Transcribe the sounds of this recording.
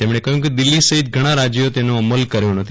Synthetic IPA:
t̪emɽ̃ekəɦjũked̪ɪlːisəɦit̪̚ɡʱəɽ̃ãɾad͡ʒjot̪enoəməlkəɾjõnət̪ʰ

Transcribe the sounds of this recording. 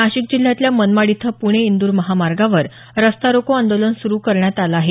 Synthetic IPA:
aɕiːk̚d͡ʑil̤jat̪ljamənmaɽit̪ʰəpuɽ̃eind̪uːɾməɦamaɾɡaʋəɾ | ɾəst̪aɾokoand̪olənsuɾuːkəɾɳjat̪alaaɦe

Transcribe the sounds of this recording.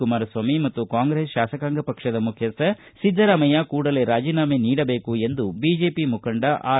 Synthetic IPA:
umaːɾɐsʋaːmimɐt̪ːukaːŋɡɾeːsʃaːsɐkaːŋɡɐpɐkʂɐd̪ɐmukʰjɐsɐ | sid̪ʱːɐɾɐmɐjakuːɽɐleːɾaːd͡ʒiːnaːmeːniːɽɐbeːkue̞nd̪ubiːd͡ʒeːpimukɐɳɖɐʔaː

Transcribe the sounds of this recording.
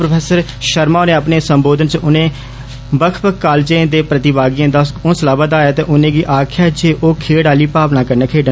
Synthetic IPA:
pɾəpʰeːsəɾʃəɾmãːneːapneːsəmboːd̪ənt͡ʃʔʊnẽː | bəkʰpəkkːaːlt͡ʃẽːd̪eːpɾət̪ɪbaːɡijãːd̪aːʊnsəlaːbaːd̪aːjaːt̪eːʔʊnẽːɡiːʔaːkʰjaːd͡ʒeːʔoːkʰeːɽaːliːpaːpnaːkəɾneːkʰeːɖ

